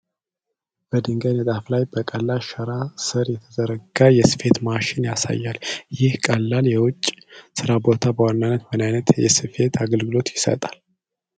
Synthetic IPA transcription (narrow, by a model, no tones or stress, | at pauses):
b̥əd̪ɨŋɡajnət̪ʼaflajbəkʼəlːaʃəɾasɨɾjɛt̪ʰəzəɾəɡajɛsɨ̥fe̞t̪maʃɪnjasa̰jːaljɪhkʼəlːaljɛwʊt͡ʃʼːsɨɾabo̞t̪ʰabəwanːanːət̪wənajnət̪jɛ̰sɨfe̞t̪ʰaɡəlɡɨlo̞t̪jɪsə̰t̪ʼal